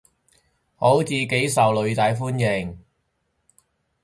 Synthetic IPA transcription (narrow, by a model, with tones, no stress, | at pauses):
ho˨˥wt͡siː˨˧ke˨˥jsɐ˨wlɵ˨˧ɥt̪aː˨˧jfuː˥njɪ˨˩ŋ